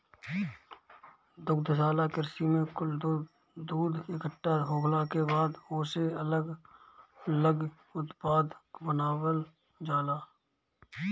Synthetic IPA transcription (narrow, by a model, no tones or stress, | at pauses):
d̪ʊkd̪ʱəsaːlakɪɾsimẽkʊl | d̪uːd̪ɪkəʈːaɦoːkʰlakebaːd̪oːseələɡ | ləɡ | ʊt̪paːd̪bənaːwəl | d͡ʒaːlaː